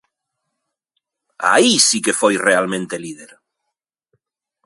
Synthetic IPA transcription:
a̰isikefojrealmẽnt̪elið̞eɾ

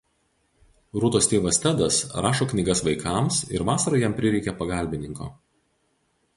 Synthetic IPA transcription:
ɾʊt̪oːst̪ʲeːʋɐsʲt̪ʲæd̪ɐsɾɑːʃoːknʲɪɡɐsʋɐɪkʰɑˑmsɪ̰ɾʋɑːsɐɾɐjɛmpʲɾʲɪɾʲɛɪkʲɛpɐɡɑˑlʲbʲɪnʲɪŋko̰ː

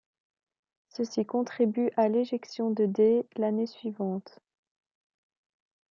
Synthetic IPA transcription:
səsikɔ̃t̪χibyʔaleʒɛksjɔ̃d̪əd̪elanesɥivɑ̃t̪

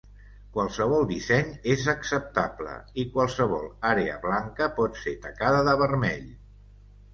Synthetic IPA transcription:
kwalˠsəβ̞ɔlˠd̪isɛɲezəksəp̚t̪ablə̰ikwalˠsəβɔ̰lˠaɾeə̰βlaŋkəpɔt̪set̪əkaðəðəβərmɛʎ

